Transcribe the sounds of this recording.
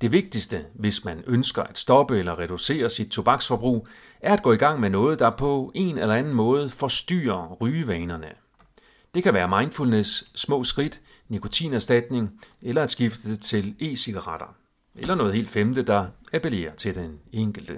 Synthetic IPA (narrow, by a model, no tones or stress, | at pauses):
d̥e̝ʋe̝ɡ̥̚d̥isd̥əʋe̝smænønsɡ̥ɐʔæd̥sd̥ɒ̽b̥əelɐʁɛd̥use̝̰ːɐsid̥̚t͡sʰo̝b̥ɑ̈ɡ̥sfɒ̽b̥ʁṵː | æɐæd̥ɡ̥ɔ̰̽ːiɡ̥ɑ̈ŋ̰menɔ̽ːð̞̩ˠd̥ɑ̈pʰɒ̽e̝̰nelɐænn̩mɔ̽ːð̞̩ˠfɒ̽sd̥y̰ːɐʁyːʋɛːnɐnə | d̥e̝kʰæʋæːɐmɑ̈ɪnd̥fulnesːmɔ̰̽ːsɡ̥ʁid̥ | nikʰo̝t͡sʰḭːnæɐsd̥æd̥ne̝ŋelɐæd̥sɡ̥ifd̥əd̥et͡sʰe̝le̝̰ːsiɡ̥ɑʁɑɾ̥ɐ | elɐnɔ̽ːðˠhḛːld̥femd̥əd̥ɑ̈æpʰe̝le̝̰ːɐt͡sʰe̝ld̥eneŋ̰ɡ̥l̩d̥ə